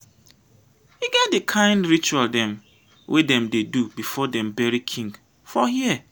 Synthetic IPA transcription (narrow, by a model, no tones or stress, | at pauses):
hiɡɛt̚dɪkʰãɪ̃ndɹit͡ʃualdɛ̃m | wʔedɛ̃mdedubifɔdɛ̃mbɛɹikʰĩŋɡ | fɔhiɛ